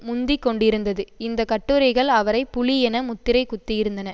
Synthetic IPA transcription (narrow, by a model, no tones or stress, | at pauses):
mʊnd̪ɪkːɔɳɖɪɾɯnd̪ɐðɯɪnd̪ɐkɐʈːɯɾɐɪɣɐɭɐʋɐɾɐɪpːʊliɛnɐmʊt̪ːɪɾɐɪkʊt̪ːɪjɪɾɯnd̪ɐnɐ